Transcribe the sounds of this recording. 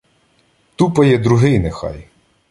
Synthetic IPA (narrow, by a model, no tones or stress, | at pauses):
t̪upɐjɛd̪ɾʊɦɪjnexɑ̰j